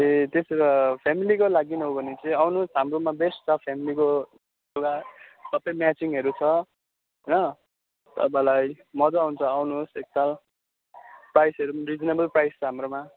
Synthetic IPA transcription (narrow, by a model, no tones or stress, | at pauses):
et̪esʌɾʌpʰamilikolaɡinɦobʱʌnet͡sʌĩawnusɦamromabesʈt͡sʰʌpʰamiliko | joɡasʌpemjat͡siŋɦʌɾut͡sʰʌ | ɦʌjnʌ | t̪ʌ̰pãlaj | mʌd͡zaɦunt͡sʰʌawnusek̚t̪al | prajsʌɾurid͡znebʌlprajst͡sʰʌɦamroma